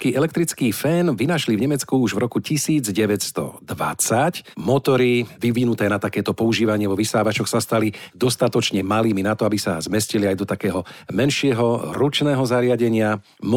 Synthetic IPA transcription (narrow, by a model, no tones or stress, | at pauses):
kiːʔɛlɛk̚t̪ɾit͡skiːfɛːnʋinaʃlivɲɛmɛt͡skuuʒvɾɔkucisiːd͡zɟɛʋɛcst̪ɔ̰d̪ʋa̰t͡sacmɔt̪ɔɾiʋiʋinut̪ɛːnat̪akɛːt̪ɔpɔuʒiːʋaɲɪɛʋɔʋisaːʋat͡ʃɔxsast̪alid̪ɔst̪at̪ɔt͡ʃɲɛmaliːminat̪ɔabisa̰zmɛsciliajd̪ɔt̪akɛːɦɔmɛnʃɪɛɦɔɾut͡ʃnɛːɦɔzaɾɪaɟɛɲɪa | m